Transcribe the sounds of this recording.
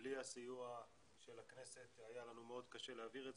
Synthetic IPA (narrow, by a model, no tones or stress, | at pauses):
lihasijua | ʃe̞lakne̞se̞t̪hajalanumeo̞dkaʃe̞leaviʁe